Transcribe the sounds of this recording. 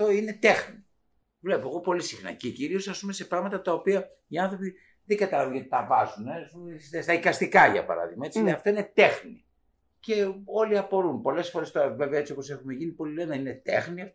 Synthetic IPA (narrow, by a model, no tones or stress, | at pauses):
t̪o̞ine̞t̪e̞xni | vle̞poeɣo̞po̞lisixnɐ̰ceciɾio̞sɐspume̞sepɾɐɣmɐt̪ɐt̪ɐopiɐ | iɐnθɾo̞pi | ðeŋɡɐt̪ɐlɐvunʝɐt̪i̥t̪ɐvɐzunesumest̪est̪ɐikɐst̪ikɐʝɐ̰pɐ̰ɾɐ̰ðḭɣmɐe̞t͡siinɐft̪o̞ine̞t̪e̞xni | ce̞o̞liɐpo̞ɾunpo̞le̞sfo̞ɾest̪oɾɐve̞veɐet͡sio̞po̞se̞xume̞ʝinipo̞lilenɐine̞t̪e̞̰xniɐf